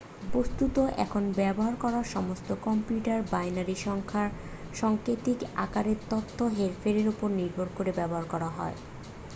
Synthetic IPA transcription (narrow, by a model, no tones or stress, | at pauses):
post̪ut̪oʔɛ̰kʰonbɛboɦaɾkɔɾaʃɔmost̪okɔmpjuʈaɾbajnaɾiʃɔŋkʰa | ʃɔŋkɾet̪ika̰kaɾeɾt̪ot̪ʰːoɦeɾfeɾeɾopoɾniɾbʱoɾkoɾebɛboɦaɾkɔɾaɦɔ̰e